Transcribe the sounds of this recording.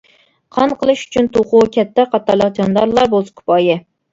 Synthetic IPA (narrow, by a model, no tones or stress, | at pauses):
qʰɑnqʰəlˠɨʃy̥t͡ʃʰynt̪ʰoʁʊkʲʰɛt̪ːɛqɑt̪ːɑɾlˠəqd͡ʒɑnd̪ɑɾlˠɑɾbolˠskʰʊ̥pɑjɪ